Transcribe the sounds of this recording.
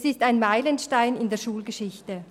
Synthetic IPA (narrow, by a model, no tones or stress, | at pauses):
sɪstaɪnmaɪlənʃtaɪnɪndeːɐʃuːlɡəʃɪçtə